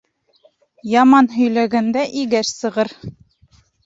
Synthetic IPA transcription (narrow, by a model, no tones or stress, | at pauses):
jɑmɑnɦɵ̆jlæɡænd̪æʔiɡæʃsɤ̆ʁɤɾ